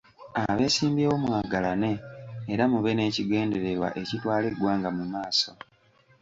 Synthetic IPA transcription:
aβe̞ːsiːmbjeːwomwaːɡalane̞ːɾamuβe̞ne̞ːciɡe̞ːnde̞ɾe̞ɾwa̰ʔe̞citwaːleɡwaːŋɡamumaːso̞

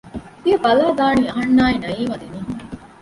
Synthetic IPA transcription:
tiɐbɐlaːɡ̪aːɳiːɐɦɐnːaːenɐjiːmɐd̪iniː

